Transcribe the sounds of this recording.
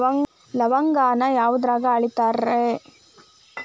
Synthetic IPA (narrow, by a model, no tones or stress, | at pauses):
lɐʋɐŋɡaːnɐjaːʋud̪ɾaːɡɐɐɭit̪aːɾe